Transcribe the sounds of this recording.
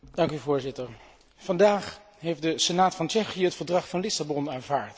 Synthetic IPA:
d̥ɑŋkyvʊːɹzɪtəɹ | fɑndaːχ | ɦejfdəsənaːtfɑnt͡ʃɛχijəɦətfəɹdrɑχfɑnlɪsabɔnaːnvaːɹt

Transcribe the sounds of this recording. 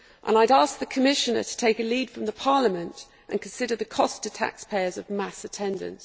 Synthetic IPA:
ʔə̰̃naɪɾɑˑsk̚ðəkʰəmɪʃənətʰə̥tʰeɪkəliːd̥fɹə̃mðəpʰɑːləmə̃nt | ʔə̃nkʰə̃nsɪdəðəkʰɒstətʰa̰kspʰeɪəzəvmasətʰɛ̃ndə̰̃nt

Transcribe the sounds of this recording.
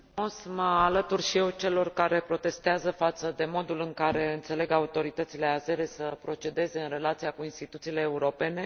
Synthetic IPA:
osməalət̪urʃije̞wt͡ʃe̞lo̞rkaɾe̞pɾo̞t̪e̞st̪eazəfat̪səd̪e̞mo̞d̪ulɨŋkaɾe̞ɨnt̪se̞le̞ɡaut̪o̞ɾit̪ət̪sile̞aze̞ɾesəpɾo̞t͡ʃe̞d̪e̞ze̞ɨnre̞lat̪siakuinst̪it̪ut̪siːleːuɾo̞pe̞ne̞

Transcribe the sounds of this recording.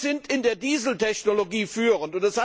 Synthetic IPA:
zɪntɪndeːɐdiːzl̩tʰɛçnoloɡiːfyːʁəntʊntɛsha

